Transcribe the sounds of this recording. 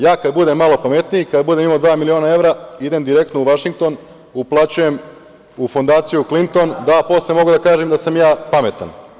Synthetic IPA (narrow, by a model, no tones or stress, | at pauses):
jaːkad̪̚bud̪emːalˠopame̞t̪nijikad̪bud̪emimod̪ʋaːmilioːnae̞ʋɾaid̪e̞md̪iɾe̞k̚t̪nouʋaʃiŋk̚t̪o̞n | uplˠat͡ɕuje̞m | ufo̞nd̪aːt̪sijuklint̪o̞nd̪apo̞slemo̞ɡud̪akaːʒemd̪asamjaːpame̞t̪a̰n